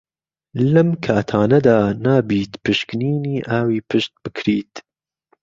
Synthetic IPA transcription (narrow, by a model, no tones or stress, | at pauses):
lɐmkʰaːt̪ʰaːnɐd̪aːnaːbiːt̪pɨʃkɨniːniːʔaːwiːpʰɨʃt̪̚b̥ɨkʰɾiːt̪